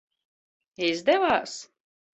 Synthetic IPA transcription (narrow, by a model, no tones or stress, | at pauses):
izd̪ɛvaːs